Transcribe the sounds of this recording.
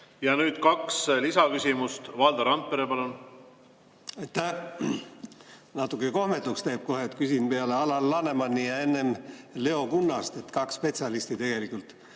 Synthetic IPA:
jɑnyːd̪̥kɑkslisɑkysʲimust̪vɑld̪ɑɾɑnt̪̚peɾepɑlun | ɑjt̪æh | nɑt̪ːukːˑeko̞hme̞t̪ːˑukst̪æjb̥̚ko̞ɦet̪kysinpeɑle̞ɑlɑlːɑne̞mɑnːiɑe̞nːe̞mle̞o̞kunːɑst̪e̞t̪ːkɑkspe̞t̪sʲɑlist̪it̪e̞ɡ̥e̞likːˑult̪

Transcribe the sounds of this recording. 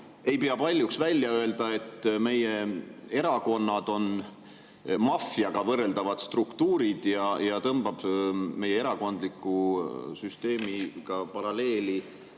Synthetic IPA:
e̞jpeɑpɑlʲjuksvælʲjɑø̞e̞ld̪̥ɑe̞t̪ːme̞jee̞ɾɑko̞nːɑd̪̥o̞n | mɑfjɑɡ̥ɑvɤrːe̞ld̪̥ɑvɑd̪̥st̪rukt̪uːɾid̪̥jɑjɑt̪ɤmb̥ɑb̥me̞jee̞ɾɑko̞nd̪likːˑusyst̪e̞ːmiɡ̥ɑpɑɾɑle̞ːli

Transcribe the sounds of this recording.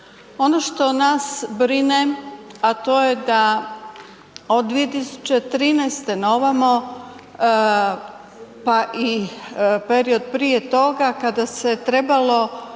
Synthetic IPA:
o̞noʃt̪o̞nasbɾineat̪o̞jed̪a | od̪ːʋije̞t̪isu̥t͡ɕet̪ɾiːnɛjst̪e̞noʋamo̞ | paʔi | peɾio̞d̪̚pɾijet̪o̞ɡakad̪aset̪ɾe̞balˠo̞

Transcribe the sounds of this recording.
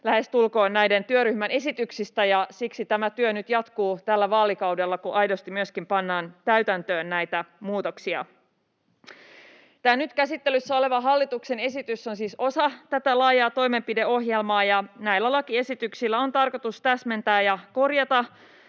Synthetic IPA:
læhe̞st̪ulko̞ːnnæjde̞nt̪yøɾyhmæne̞sit̪yksist̪æjɑsiksit̪æmæt̪yønyt̪jɑt̪kuːt̪ælːæʋɑːlikɑwdelːɑkuʔɑjdost̪imyøskimpɑnːɑːnt̪æɥt̪ænt̪øːnːæjt̪æmuːt̪o̞ksiɑ̰ | t̪æːnnyt̪kæsit̪ːelysːæo̞le̞ʋɑɦɑlːit̪ukse̞ne̞sit̪yso̞nsiːso̞sɑt̪æt̪ælɑːjɑːt̪o̞jme̞mpideo̞hje̞lmɑːjɑnæilːælɑkie̞sit̪yksilːæo̞nt̪ɑrko̞t̪ust̪æsme̞nt̪æːjɑko̞rjɑt̪ɑ

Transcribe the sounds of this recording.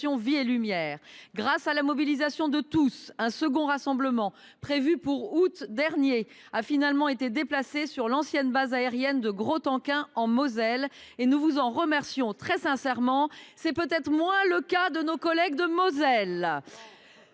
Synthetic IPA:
jɔ̃vielymjɛːʁɡʁasalamɔbilizasjɔ̃d̪ət̪usɛ̃səɡɔ̃ʁasɑ̃bləmɑ̃ | pχevypuʁut̪d̪ɛʁnje | afinalmɑ̃et̪ed̪eplasesyʁlɑ̃sjɛnbazaeʁjɛnd̪əɡʁot̪ɑ̃kɛ̃ɑ̃mɔzɛlenuvuzɑ̃ʁəmɛʁsjɔ̃t̪χɛsɛ̃sɛʁmɑ̃sɛpøt̪ɛt̪χmwɛ̃ləkad̪ənokɔlɛɡd̪əmɔzɛl

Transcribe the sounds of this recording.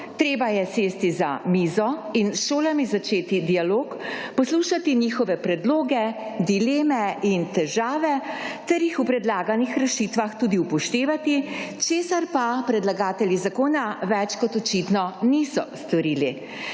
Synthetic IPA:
t̪ɾeːbajɛseːst̪iza̰miːzɔinʃoːlamizat͡ʃeːt̪id̪ialoːkpɔsluːʃat̪iniːxɔʋɛpɾɛd̪loːɡɛd̪ileːmɛint̪ɛʒaːʋɛt̪ɛɾjixupɾɛd̪laːɡanixɾɛʃit̪ʋaxt̪uːd̪iupɔʃt̪eːʋat̪it͡ʃeːsaɾpapɾɛd̪laɡaːt̪ɛljizakoːnaʋɛt͡ʃkɔt̪ɔt͡ʃit̪nɔnisɔ̰st̪ɔɾiːli

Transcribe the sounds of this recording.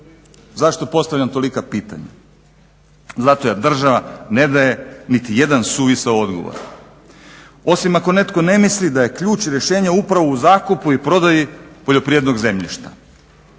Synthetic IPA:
zaʃt̪o̞po̞st̪aʋʎʲamt̪o̞likapiːt̪a̰ɲa̰ | zat̪o̞jad̪r̩ʒaʋane̞d̪aje̞nit̪ije̞d̪ansuːʋisaoo̞d̪ɡo̞̰o̰ɾ | o̞simako̞ne̞t̪ko̞ne̞mislid̪aje̞kʎuːt͡ɕɾje̞ʃe̞ːɲaupɾaʋuuzaːkupuipɾo̞d̪ajipo̞ʎo̞pɾied̪no̞ɡze̞mʎḭʃt̪ḁ

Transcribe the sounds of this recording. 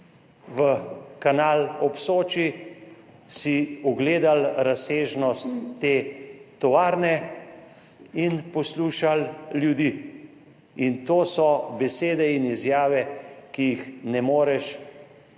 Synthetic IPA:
ʋəkanaːlɔpsoːt͡ʃi | siɔɡleːd̪alɾaseːʒnɔst̪ːeːt̪ɔʋaːɾnɛ | inpɔsluːʃalljud̪iː | int̪oːsɔbɛseːd̪ɛinizjaːʋɛkijixnɛmoːɾɛʃ

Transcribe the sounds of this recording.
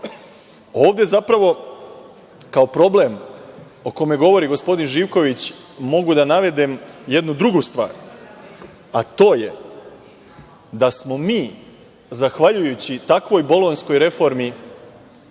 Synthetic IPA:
o̞ːʋd̪e̞zapɾaʋo̞ | kao̞pɾo̞ble̞m | o̞ko̞me̞ɡo̞ʋo̞ɾiɡo̞spo̞d̪inʒiːʋko̞ʋit͡ɕ | mo̞ɡud̪anaʋe̞d̪emje̞d̪nud̪ɾuɡust̪ʋa̰ːɾ | at̪o̞ːje̞ | d̪asmo̞miː | zaxʋaʎujut͡ɕit̪akʋo̞jbo̞lˠo̞nsko̞jɾe̞fo̞ɾmi

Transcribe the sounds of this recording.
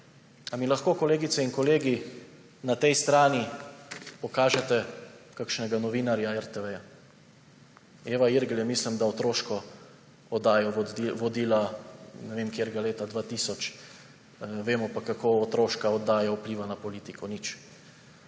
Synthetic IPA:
amilaxkoːkɔleːɡit̪sɛinkɔleːɡi | nat̪ɛjst̪ɾaːni | pɔkaːʒɛt̪ɛkakʃnɛɡanɔʋiːnaɾjaɛɾt̪ɛʋɛja | eːʋaiɾɡljɛmislimd̪aɔt̪ɾoːʃkɔ | ɔd̪aːjɔʋɔd̪iːlanɛʋemkjeːɾɡaleːt̪ad̪ʋaːt̪isɔt͡ʃ | ʋeːmɔpakakoːɔt̪ɾoːʃkaɔd̪ːaːjaupliːʋanapɔliːt̪ikʰɔnit͡ʃ

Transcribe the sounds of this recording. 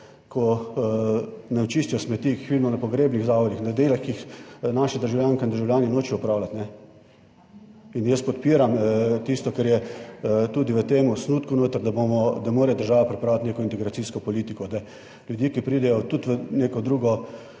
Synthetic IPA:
kʰɔ | nat͡ʃiːst̪ijɔsmɛt̪iːkixʋid̪imɔnapɔɡɾeːbniɣzaːʋɔd̪ixnad̪elaxkixnaːʃad̪əɾʒaʊwlʲjaːŋkaind̪əɾʒaʊwlʲjaːninoːt͡ʃijɔupɾaːwlat̪nɛ | injəspɔt̪piːɾamt̪ist̪ɔkɛɾjɛ | t̪uːd̪iʋət̪eːmusnuːt̪kunoːt̪əɾd̪abomɔd̪amoːɾɛjd̪əɾʒaːʋapɾipɾaːwlat̪neːkɔint̪ɛɡɾasiːskɔpɔliːt̪ikɔd̪a | ljʊd̪jiːkipɾiːd̪ɛjɔt̪ut̪ʋəneːkɔd̪ɾuːɡɔ

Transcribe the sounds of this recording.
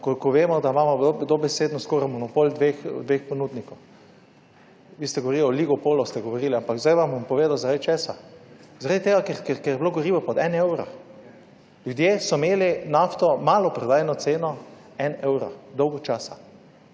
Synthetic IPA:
kɔkɔʋeːmɔd̪amamɔbd̪obɛseːd̪nɔskoːɾamɔnɔpold̪ʋexd̪ʋeːxpɔnud̪nikɔw | ʋiːst̪ɛɡɔʋoɾiliɔliɡɔpoːlɔst̪ɛɡɔʋoɾiːliampakzd̪ajʋambɔmpɔʋeːd̪awzaɾad̪it͡ʃeːsazaɾad̪it̪eːɡakɛkɛkɛɾjɛbloɡɔɾiːʋɔpɔt̪ɛnɛwɾa̰ | lʲjud̪jeːsɔmeːlinaft̪ɔmaːlɔpɾɔd̪aːjɛnɔt̪seːnɔ | ɛnɛwɾa̰d̪ɔwɡɔt͡ʃaːsa

